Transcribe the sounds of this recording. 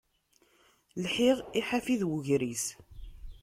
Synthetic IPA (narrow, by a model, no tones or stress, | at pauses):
lħiʁiħafiðwəʝɾis